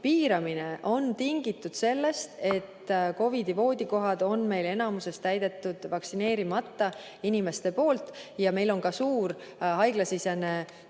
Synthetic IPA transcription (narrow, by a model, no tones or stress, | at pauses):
piːɾɑmineʔo̞nt̪iŋɡit̪ːˑud̪̥se̞lːe̞st̪e̞t̪ːko̞vid̪ivo̞ːd̪̥ʲiko̞ɦɑd̪̥o̞nme̞jle̞nɑmuse̞st̪æjd̪̥e̞t̪ːˑud̪̥vɑksine̞ːɾimɑt̪ːɑ | inime̞st̪e̞po̞ːlt̪ˑjɑme̞jlo̞nkɑsuːɾ | ɦɑjɡ̥lɑsisene̞